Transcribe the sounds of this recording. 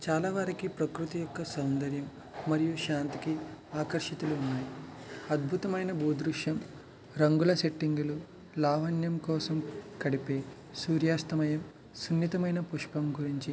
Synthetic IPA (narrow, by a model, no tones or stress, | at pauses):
t͡ʃaːlaːʋaːɾikipɾɐkɾut̪ijɔkːɐsɐwnd̪ʱɐɾjɐmː | ɐɾijuʃaːnt̪ikiaːkɐɾʂɐt̪uluːnːaːjiɐd̪̚bʱut̪ɐmɐjnɐbuːd̪ɾuʂjɐm | ɾɐŋɡulɐse̞ʈːiŋɡulu | laːʋɐnjɐmkɔːsɐmkɐɽipeː | suːɾjaːst̪ɐmɐjɐm | sunːit̪ɐmɐjnɐpuʂpɐmɡuɾiɲt͡ʃi